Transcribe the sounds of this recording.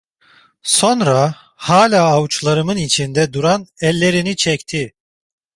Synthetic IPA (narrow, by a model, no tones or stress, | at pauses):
so̞nɾa | haːlʲaːwut͡ʃlˠaɾɯmɯnit͡ʃʰind̪ɛd̪uɾanɛlʲːe̞ɾinit͡ʃʰɛct̪ʰi